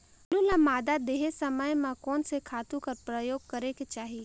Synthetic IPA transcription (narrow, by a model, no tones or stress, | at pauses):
lulãmaːd̪ad̪eːɦesəməjmãkɔːnsekʰaːt̪ũkɐɾpɾəjoːɡ̚kɐɾeket͡ʃaːɦi